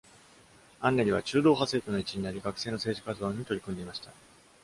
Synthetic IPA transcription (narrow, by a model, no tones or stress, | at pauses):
ãnːeɾʲiβ̞a̰t͡ɕɨːd̪o̞ːɦase̞ːt̪ono̞it͡ɕiɲ̟inaɾʲiɡakɯ̟̥se̞ːno̞se̞ːʑikazɨd̪oːɲ̟it̪o̞ɾʲikɯ̟nd̪e̞imaɕi̥t̪a